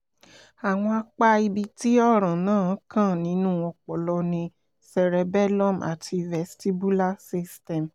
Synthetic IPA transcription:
a˨w̃ɔ̃˧a˧k͡pa˦i˧bi˧ti˦ɔ˦ɾ̃ã˨nãː˦˨˦kã˦˨nĩ˨˦nũ˦˨ɔ˧k͡pɔ˨lɔ˧nĩ˧ | sɛ˨ɾɛ˨˧˦bɛ˦lɔ̃˦˨ma̰˨tʰi˧vɛ˨sti˦bu˦la˦si˦stɛ˨m

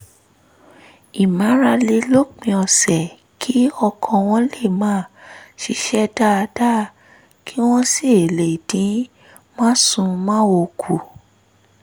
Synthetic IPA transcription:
i˨mã˨˦ɾa˧le˧lo˦k͡pĩ˧ɔ˧˨sɛ˨ | kʰi˨˦ɔ˧kʰɔ̃˧w̃ɔ̃˧le˦˨mãː˨˦˨ʃi˧ʃɛ˦da˦˧da˦ | kʰi˦w̃ɔ̃˦si˦˨e˨le˨dĩ˨˦ | mã˦sũ˧mãː˦wo˧kʰu˨

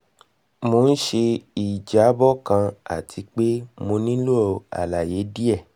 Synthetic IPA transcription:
mo˧˦n̩˦ʃe˧i˨d͡ʒa˨˦bɔ˦kã˧a̰˨tʰi˧k͡pe˦mo˧nĩ˦lu˦ɔ˧˨a̰˨la˨je˨˦di˦ɛ˦˨

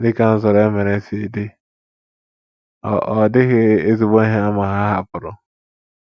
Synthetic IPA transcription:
dɪ˦kã˦n̩˦s̬ɔ˨ɾɛ˦mɛ̃˨ɾɛ̃˨˦se˨dɪ˦ | ɔ˨ʔɔ˨dɪ˦hɪ˦e˦z̬ɪ˨bɔ̃˦ɦɪ̃˦a˦mã˨ɦa˦ha˦pʊ˨ɾʊ˦

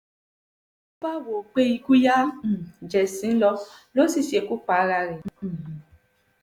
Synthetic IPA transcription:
ba˦˨wo˨k͡pe˦i˧ku˦jã˦˨d͡ʒɛ˨sĩ˨˦n̩˦lɔ˧lo˦si˦˨ʃe˧ku˦k͡pa˨˦ɾa˧ɾɛ̃˨

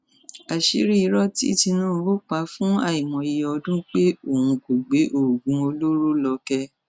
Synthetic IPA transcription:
a˨ʃi˨˦ɾi˦i˨˧˦ɾɔ˦tḭ˦i˦˨ti˧nũː˦˨˧bo˦k͡pa˨˦fũ˦a˦˨i˨mɔ̃˨i˨˧jɔ˧ɔ˧dũ˦k͡pe˦o˦˨hũ˧ko˨ɡ͡be˨˦ʔo˦˨ɡũ˧˦o˧lo˦ɾo˦lɔ˧kɛ˧

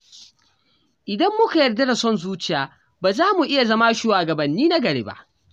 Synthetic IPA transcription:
ʔɪ˨dɐ˦mːʊ˦ka˨jɐ˨rdɐ˦da˨sɔ˦nzuː˦t͡ʃɪ˦˨jaː˨ | baː˨zaː˦mu˨ʔɪ˦ja˨zɐ˦ma˦ʃuː˦waː˨ɡɐ˨bɐ˨nːiː˦na˦ɡɐ˨ɽḛː˦ba̰˦˨ʔ

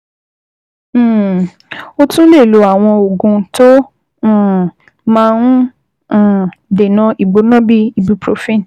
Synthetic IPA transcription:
o˧tũ˦le˦˨lu˨˦a˨w̃ɔ̃˧o˨ɡũ˧tõ˦˨ | mãː˦˧˦ñ̩˦˨ | de˨nã˨˦i˨ɡ͡bo˨˦nɔ̃˦bi˦i˧bu˧pɾo˨˦fi˦˨n˨

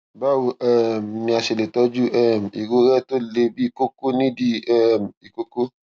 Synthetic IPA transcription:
ba˦˨wu˨ɛ˦˨m˨mĩ˧a˨ʃe˨le˨tɔ˦d͡ʒu˦ʔɛ˦m˨i˨ɡo˧ɾɛ˦to˦le˧bi˦i˦˨ko˦ko˦nĩ˦di˦ɛ˦˨m˨i˨ko˦ko˦

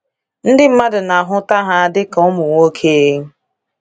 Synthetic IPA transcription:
n̩˦dɪ˦m̩˦ma˦dʊ˨na˨ɦʊ˦ta˦ɦa˦˨a˨dɪ˦ka˨ɔ˦mʊ˨ŋʷo˦kʰe˦e˦

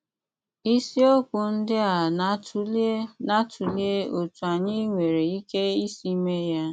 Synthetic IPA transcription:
i˦si˦o˦kʷʊ˨n̩˦dɪ˦a˨˦na˦tʰu˨li˦e˦o˨tu˨a˨ɲɪ˦ŋʷe˨ɾe˨i˦ke˦i˦si˦me˦ja˦

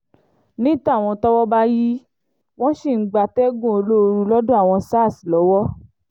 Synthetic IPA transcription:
nĩ˦ta˦˨w̃ɔ̃˧tɔ˦wɔ˦ba˦ji˦ | w̃ɔ̃˦ʃi˦˨˦ɡ͡ba˧˨tɛ˦ɡũ˦˨o˧lo˦˧ɾu˧˦lɔ˦dũ˦a˦˨w̃ɔ̃˧sa˦˨si˨lɔ˨˦wɔ˦

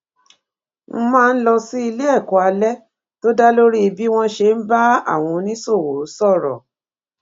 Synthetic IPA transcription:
m̩˦mãː˦˧n̩˦lɔ˧si˦i˧le˦ɛ˦˨kɔ˨a˧lɛ˦ | to˦da˦lo˦ɾi˦˧bi˦w̃ɔ̃˧ʃe˧n̩˦ba˦a̰˦˨w̃ɔ̃˧nĩ˦so˦˨wo˨˦sɔ˦˨ɾɔ̰˨

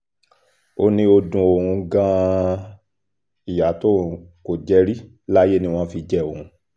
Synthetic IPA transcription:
o˦nĩ˦o˧dũ˧o˨ɾũ˧ɡã˧ | i˨ja˨˦to˦˨ũ˧ko˨d͡ʒɛ˦ɾi˦ | la˦je˦nĩ˧w̃ɔ̃˧fi˧d͡ʒɛ˦o˨ũ˧

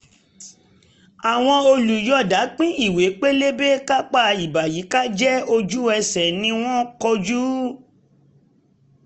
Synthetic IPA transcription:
a˨w̃ɔ̃˧o˧lu˨jɔ˦˨da˨˦k͡pĩ˦i˦˨we˨˦k͡pe˦le˦be˦ka˦k͡pa˧˨i˨ba˨ji˨˦ka˦d͡ʒɛ˦o˧d͡ʒu˦ɛ˧sɛ˨nĩ˧w̃ɔ̃˦kɔ˧d͡ʒu˦

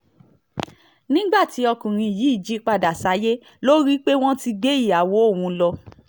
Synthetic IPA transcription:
nĩ˦ɡ͡ba˦˨ti˨˦ɔ˧kũ˨ɾ̃ĩ˧˨jiː˨˦i˦˨d͡ʒi˨˦k͡pa˧da˨sa˨˦je˦ | lo˦ɾi˦k͡pe˦w̃ɔ̃˦ti˧ɡ͡be˦i˦˨a˨wo˨˦o˦˨wũ˧˦lɔ˧

